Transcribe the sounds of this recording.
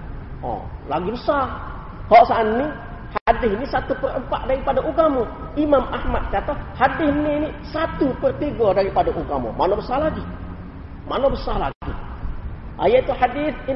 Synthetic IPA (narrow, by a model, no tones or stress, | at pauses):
ɔ̰laɡibəsar | hɔʔsaːnːi | hadɪɦinisat̪upərəmpaʔdaɾipadaʔuɡamɔ | imamahmat̪̚kat̪ahadɪhninisat̪upərt̪iɡɔdaɾipadaʔuɡamo̰manobəsalaɡi | ma̰nobəsala̰ɡi | ʔa̰jait̪uħadɪθi